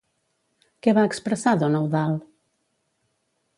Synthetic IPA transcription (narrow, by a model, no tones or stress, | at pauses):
keβaəkspɾəsaðɔnɔwðal